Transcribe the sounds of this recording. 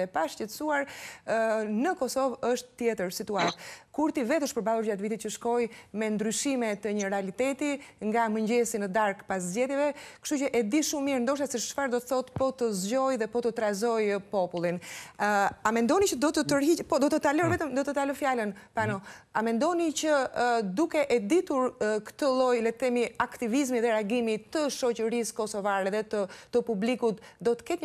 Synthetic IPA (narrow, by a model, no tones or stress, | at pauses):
ɛpaʃcɛt̪suaɾ | nəkɔsɔvəʃt̪t̪ːjɛt̪əɾsit̪uat̪kuɾt̪ivɛt̪əʃt̪pəɾbalˠuɾd͡ʑat̪vit̪̬it̪̚cəʃkɔjmɛnd̪ɾyʃimɛt̪əɲəɾɛalit̪ɛt̪iŋɡaməɲɟɛsinəd̪aɾkpas̬zɟɛðjɛvɛkə̥ʃt̪ucəʔɛd̪iʃummiɾnd̪ɔʃ̬asiʃʃfaɾd̪ɔt̪əθɔt̪pɔt̪əzɟɔjðɛpɔt̪ət̪ɾazɔjpɔpulˠin | amɛnd̪ɔnit͡ʃəd̪ɔt̪ət̪əɾɦipɔd̪ɔt̪ət̪alɔɾvɛt̪əmd̪ɔt̪ət̪alɔfjalənpanɔamɛnd̪ɔnit͡ɕəd̪ukɛʔɛd̪it̪uɾkə̥t̪əlˠɔjlɛt̪ɛmiakt̪ivizmiðɛɾaɡimit̪əʃɔt͡ɕəɾiskɔsɔvaɾɛðɛt̪ət̪əpublikut̪d̪ɔt̪ə̥kɛt̪ɲ